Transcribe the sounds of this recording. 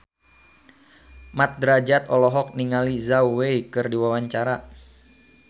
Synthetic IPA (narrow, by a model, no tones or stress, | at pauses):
mat̪̚dɾad͡ʒat̪ɔlɔɦɔk̚niŋalizauweikɨrdiwawaɲt͡ʃaɾa